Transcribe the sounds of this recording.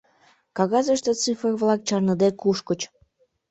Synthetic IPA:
kɑɣɑzəʃt̪ət͡sɨfrəβlɑk̚t͡ɕɑrnəd̪ekuʃkət͡ɕ

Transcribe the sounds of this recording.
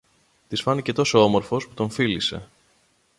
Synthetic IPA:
t̪isfɐnice̞t̪o̞so̞omo̞ɾfo̞sput̪o̞ɱfilise̞̰

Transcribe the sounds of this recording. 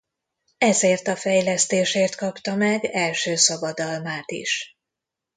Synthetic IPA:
ɛzeːrt̪ɒfɛjlɛst̪eːʃeːrt̪kɒpt̪ɒmɛɡɛlʃøːsɒbɒd̪ɒlmaːt̪ḭʃ

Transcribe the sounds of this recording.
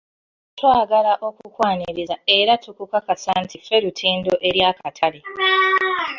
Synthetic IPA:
twaːɡalaʔo̞kukwaːniɾizae̞ɾatukukakasaːntife̞ɾutʰiːndo̞ʔe̞ɾjakatʰale

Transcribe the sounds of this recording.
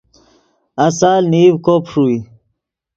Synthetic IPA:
asaːlniwkopʰʂui

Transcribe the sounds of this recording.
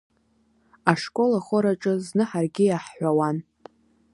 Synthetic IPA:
aʂkʼo̞laχʷoɾaʈ͡ʂʼɨznɨħarɡʲɪjaħːʷawan

